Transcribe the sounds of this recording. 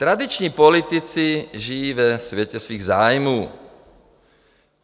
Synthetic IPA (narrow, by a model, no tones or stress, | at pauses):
t̪ɾad̪it͡ʃɲiːpɔlit̪it͡siʒijiːvɛsʋjɛcɛsʋiːɣzaːjmuː